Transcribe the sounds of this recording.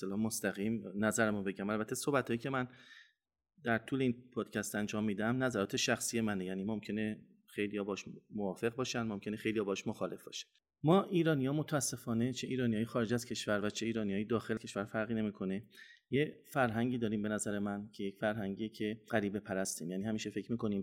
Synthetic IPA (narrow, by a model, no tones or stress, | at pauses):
selɒːhmost̪æɣiːmnæzæɾæmunbe̞ɟæmælbæt̪ʰːesohbæt̪hɒːjiːcʰe̞mæn | d̪æɾt̪ʰuːleiːnpʰɒːd̪̥cʰæst̪ænd͡ʒɒːmːiːd̪æmnæzæɾɒːt̪ʰe̞ʃæxsije̞mænejæːniːmomcʰe̞ne̞ | xejlijɒːbɒʃmovɒːfe̞ɣ̚bɒːʃænd̪momcʰʲe̞nexejlijɒːbɒːʃmoxɒːle̞fbɒːʃæ̥n̥ | mɒːʔiːɾɒːnijɒːmot̪ʰæsːe̞fɒːne̞t͡ʃʰeʔiːɾɒːnijɒːjexɒːɾe̞d͡ʒæz̥cʰe̞ʃvæɾvæt͡ʃʰe̞iːɾɒːnijɒːjed̪ɒːxelæcʰe̞ʃvæɾfæɾɣiːne̞miːkʰo̞ne̞je̞fæɾɦæŋɟiːd̪ɒːɾiːmbe̞næzæɾe̞mæncʰejecfæɾɦæŋɟiecʰe̞ɢæɾiːbe̞pʰæɾæst̪iːmjæːniːhæmiːʃe̞fecʰmiːko̞niːm